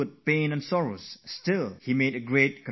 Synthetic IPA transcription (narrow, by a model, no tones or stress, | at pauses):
əd̚pẽɪ̃nɨ̃nsɔɹoʊz̥stɪlˠhimeɪɾɨɡɹeɪt̚kə̃